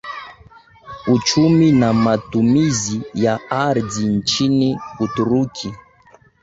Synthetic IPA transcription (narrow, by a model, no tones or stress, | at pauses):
ut͡ʃuminamatumizijaaɾdin̩t͡ʃinikutuɾukʰi